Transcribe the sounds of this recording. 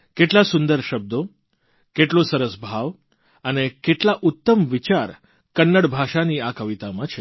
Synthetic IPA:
keʈlasʊ̃nd̪əɾʃəb̚d̪o | keʈlosəɾəsbʱaʋ | ənekeʈlaʔʊt̪ːəmʋit͡ʃaɾ | kənːəɽbʱaʃaniakəʋit̪amãt͡ʃʰe

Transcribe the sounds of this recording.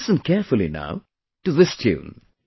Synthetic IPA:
sə̃nkʰɛɹfəlˠina̰ʊ | ʈɨðɪstʰjʉ̰̃ːn

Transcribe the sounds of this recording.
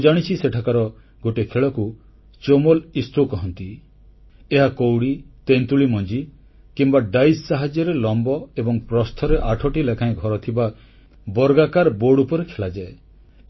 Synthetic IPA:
d͡ʒaɽ̃it͡ʃʰiseʈʰakaɾɔ | ɡoʈekʰeɭɔku | t͡ʃomolist̪ʰokɔɦɔnt̪i | eɦakowɽit̪ent̪uɭimɔnd͡ʒi | kimbaɖajsːaɦad͡ʒjɔɾelɔmbɔebɔŋpɾɔst̪ʰɔɾeʔaʈʰɔʈilekʰãj̃ɡʱɔɾɔt̪ʰiba | bɔɾɡakaɾboɽupɔɾekʰeɭad͡ʒae

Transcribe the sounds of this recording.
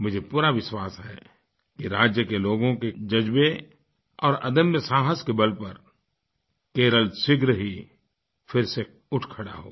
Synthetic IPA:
mʊd͡ʒʱepuːɾaʋɪʃwaːsɦɛ̰ː | kiɾaːd͡ʒjəkeloːɡõked͡ʒɐd͡ʒbe | ɔːɾɐ̰d̪əmjəsaːɦəskebɐlpɐɾ | keːɾəlsɪɡɾəɦi | fʰɪɾse | ʊʈʰkʰəɽa̰ɦo̰ː

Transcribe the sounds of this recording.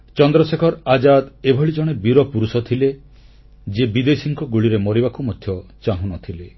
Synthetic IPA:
t͡ʃɔnd̪ɾɔsekʰɔɾad͡ʒad̪ebʱɔɭid͡ʒɔɽ̃ebiɾɔpuɾusɔt̪ʰile | d͡ʒebid̪esiŋkɔɡuɭiɾemoɾibakumɔd̪ʱjɔt͡ʃaɦũnɔt̪ʰile

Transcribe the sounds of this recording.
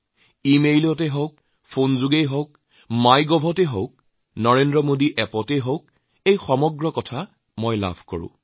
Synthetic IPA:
imejlɔtɛɦɔwk̚ | pʰonzuɡejɦɔwk | majɡɔbʱɔtɛɦɔwk̚ | nɔɹendɹɔmodiʔɛpɔtɛɦowk | ejxɔmɔɡɹɔkɔtʰa | mojla̰bʱkɔ̰ɹʊ̰̃

